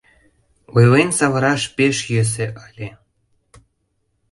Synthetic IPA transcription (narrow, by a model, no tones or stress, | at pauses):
ujlensɑβɤ̆ɾɑʃpeʃjøs̬ĕʔɑlʲe